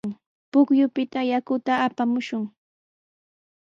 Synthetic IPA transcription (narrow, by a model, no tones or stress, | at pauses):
ŋ | pʊkjʊpɪt̪ajakʊt̪aːpamʊʃʊŋ